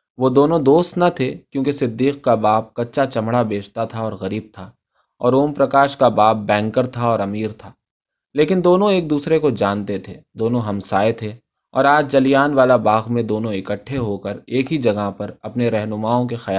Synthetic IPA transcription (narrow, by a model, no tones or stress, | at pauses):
ʋod̪oːnõd̪oːst̪nɐt̪ʰekjõːkesɪd̪ːiːqkabaːp̚kɐtːʃat͡ʃɐmɽabeːt͡ʃt̪at̪ʰaɔːɾɣɐɾiːb̚t̪ʰa | ɔ̰ːɾoːmpɾɐkaːʃkabaːp̚bɛ̃ːŋkəɾt̪ʰaɔːɾɐmiːɾt̪ʰaː | leːkɪnd̪oːnõeːk̚d̪uːsɾekod͡ʒaːnt̪et̪ʰeːd̪oːnõɦɐmsaːet̪ʰe | ɔ̰ːɾaːd͡ʒd͡ʒɐlijaːnʋaːlabaːɣmẽd̪oːnõɪkəʈʰːeɦokəɾeːkɦid͡ʒɐɡaɦpɐɾɐpneɾɛɦnʊmaːõkexɐjaː